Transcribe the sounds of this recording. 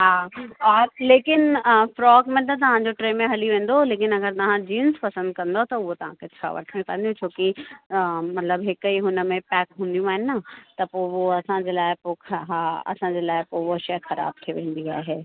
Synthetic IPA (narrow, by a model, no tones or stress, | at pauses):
ɦaːɔːɾleːkɪnfɾɔːɡmẽt̪̬ɐt̪̬ɐʋ̤ãɲd͡ʑoʈɾeːmẽɦɐliʋẽːn̆d̪oleːkɪnɐɡəɾt̪ɐʋ̤ãd͡ʑiːnspɐsə̃nd̪̚kɐ̃nd̪ot̪ɐʊɦot̪ɐʋ̤ãkʰet͡ɕʰa̰ːʋɐ̰ʈʰmẽpɐ̃ɦnd̪iõt͡ɕʰoːki | mɐt̪ləbɦɪkiɦʊnə̆mẽpɛːkɦũːn̆d̪ijũaːɦɪnat̪ɐpoʋoɐsãd͡ʑeːlaːɪpoɦaɐ̰sãd͡ʑeːlaːɪpoʋoʃɐjxɐɾa̰ːb̚t̪ʰiʋẽːn̆d̪iaːɦeː